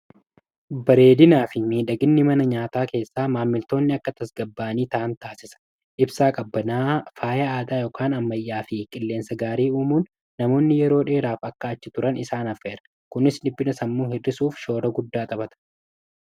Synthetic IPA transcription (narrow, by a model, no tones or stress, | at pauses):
bɐɾe̞ːd̪ɪnaːfɪmiːᶑɐɡɪnːɪmɐnɐɲaːt̪aːke̞ːsːaːmaːmːɪlt̪o̞ːnːɪɐkːɐt̪ɐsɡɐbːaːniːt̪ɐːnt̪aːsɪsɐ̥ | ʔɪbsaːkʼɐbːɐnaːfaːjɐaːd̪aːjoːkʰaːnɐmːɐjːaːfɪkʼɪlːe̞ːnsɐɡaːɾiːuːmuːnː | ɐmo̞ːnːɪjɛɾo̞ːᶑe̞ːɾaːfɐkːɐːt͡ʃːɪt̪ʊɾɐnɪsaːnɐfːeːɾɐ̥ | kʊnɪslɪbːɪnɐsɐmːuːhɪrːɪsuːfʃo̞ːɾɐɡʊd̪ːaːt̪ʼɐbɐt̪ɐ̥